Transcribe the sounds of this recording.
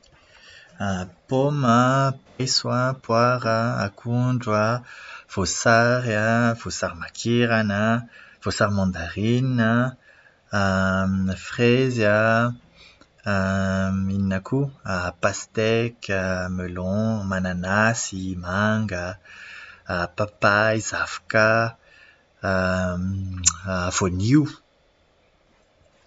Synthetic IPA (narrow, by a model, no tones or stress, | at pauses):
apɔmapɛjswapwaʁa̰ːkʰuɳd͡ʒwav̥osaʁjavosaʁmakʰiʁanav̥osaʁmɑ̃d̪aʁina | fχɛza | mininakʰuapast̪ɛkəmølɔ̃mananasimaŋɡa | papajz̥afka | voniu